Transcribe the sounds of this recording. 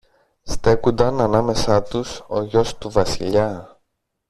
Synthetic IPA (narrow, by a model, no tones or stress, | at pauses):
st̪e̞kund̪ɐnɐnɐme̞sɐt̪uso̞̰ʝo̞st̪uvɐsḭʎɐ